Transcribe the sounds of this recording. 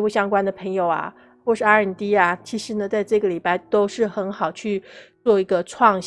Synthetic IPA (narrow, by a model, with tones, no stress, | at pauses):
u˥˩ɕjɑ˥ŋkwa˥nd̪ə˨˩pʰɤ˧˥ŋjo˨˩ʊa̰˩ | xwɔ˥˧ʂɻ̩˥˩a˥ə˞˨˩t̪i˥a˨t͡ɕʰi˧˥ʂɻ̩˧˥nə˧t͡sa˥˧ɪʈ͡ʂɤ˥˩ɡə˩li˨˩pa˥˧ɪt̪o˥ʊʂɻ̩˥˩xə˧˥nxɑ˨˩ʊt͡ɕʰy˥˧t͡swɔ˥˩i˧˥ɡə˧ʈ͡ʂʰwɑ˥˩ŋɕ